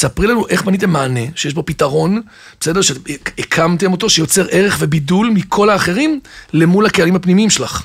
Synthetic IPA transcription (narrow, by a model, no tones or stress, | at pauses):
sapʁilanuʔe̞χbanit̬e̞mːaːne̞ʃejeʃbo̞pitaʁo̞n | bese̞deʃeekʰamt̪e̞mo̞to̞ʃejo̞t͡se̞ʁe̞ʁeχve̞bidulmikʰo̞laːχe̞ʁimle̞mulhakealimhapnimiimʃelaχ